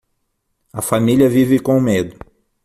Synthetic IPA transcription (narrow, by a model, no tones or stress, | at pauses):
ɐfamiliɐvivɪkõʊmed̪ʊ